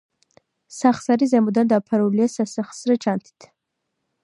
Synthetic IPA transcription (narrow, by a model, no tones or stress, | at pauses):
saχsaɾizɛmud̪and̪apʰaɾuliɛsasəχsɾət͡ʃʰant̪ʰi̥t̪ʰ